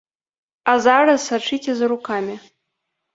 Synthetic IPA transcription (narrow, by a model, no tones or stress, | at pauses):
azarazsaʈ͡ʂʰitʰezɾukʰamʲɪ